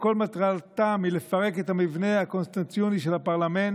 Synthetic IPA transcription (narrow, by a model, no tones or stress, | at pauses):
ko̞lmat̪ʁalt̪amile̞faʁe̞ket̪amivne̞hako̞nst̪ant͡sjoniʃelapaʁlamen